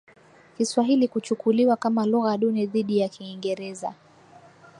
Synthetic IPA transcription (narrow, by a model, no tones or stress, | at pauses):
kiswaɦilikut͡ʃukuliwakamaluɣaɗunɛðiɗijakiːŋɡɛɾɛza̰